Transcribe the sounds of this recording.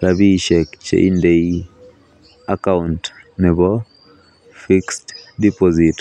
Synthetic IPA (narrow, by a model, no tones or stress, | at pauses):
ɾaβiʃekt͡ʃḛʔḭndei | akauntnɛβɔ | fikstdipozit